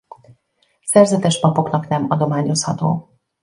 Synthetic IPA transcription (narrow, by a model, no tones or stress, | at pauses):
sɛrzɛt̪ɛʃpɒpo̞knɒknɛmɒd̪o̞maːɲo̞shɒt̪o̰ː